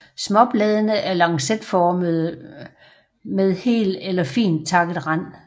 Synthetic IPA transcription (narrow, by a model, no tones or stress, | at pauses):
smɒ̽b̥lɛːð̞ˠənəʔæɐlɑ̈ŋsed̥fɒːmð̩ˠ | með̞ˠhe̝̰ːld̥elɐfḭːnd̥̚t͡sʰɑ̈ɡ̥ð̩ˠʁan̰